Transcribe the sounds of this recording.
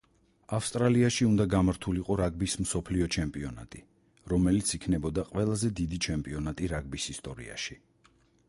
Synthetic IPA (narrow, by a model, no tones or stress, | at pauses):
afst̪ʼɾaliaʃiund̪aɡamaɾt̪ʰuliqʼɔɾaɡ̚bism̩sɔpʰliɔt͡ʃʰɛmpʼiɔna̰t̪ʼi | ɾɔmɛlit̪sʰikʰnɛbɔd̪aqʼwɛlˠazɛd̪id̪it͡ʃʰɛmpʼiɔnat̪ʼiɾaɡ̚bisist̪ʼɔɾḭa̰ʃi